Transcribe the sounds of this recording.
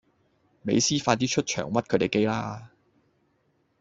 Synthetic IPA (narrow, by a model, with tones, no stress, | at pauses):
me˨˧jsiː˥faː˧t̪iː˥t͡ʃʰɵ˥t̚t͡ʃʰœ̰ː˨˩ŋwɐ˥t̚kʰɵ˨˧t̪e˨˩ke˥jlaː˥